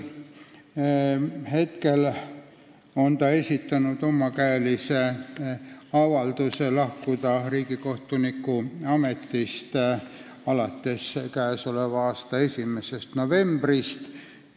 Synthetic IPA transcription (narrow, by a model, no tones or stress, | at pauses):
he̞t̪ke̞l | o̞nt̪ɑe̞sʲit̪ːˑɑnud̪̥o̞mɑkæːlise | ɑvɑld̪use̞lɑhkud̪̥ɑriːɡ̥iko̞ht̪unikːuɑme̞t̪ːist̪ | ɑlɑt̪ːe̞skæːso̞le̞vɑɑːst̪ɑesʲimese̞st̪no̞ve̞mb̥rist̪